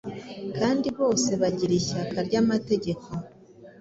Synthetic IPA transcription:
kaːndiβo̞ːse̞βaɟiɾiçakaɾɟamate̞ɟe̞ko̞

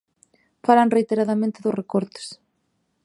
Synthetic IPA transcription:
falaŋrejt̪eɾaðamẽnt̪ɪðʊsrekɔɾt̪ɪ̥s

